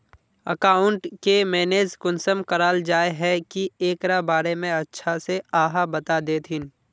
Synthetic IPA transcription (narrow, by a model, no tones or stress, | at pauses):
ɐkaːʊɳʈkemɛːneːzkʊnsəmkɐɾaːld͡ʒaːeɦɛkieːkɾabaːɾemẽɐtːʃʰaseaːɦabɐt̪ad̪eːt̪ʰɦɪn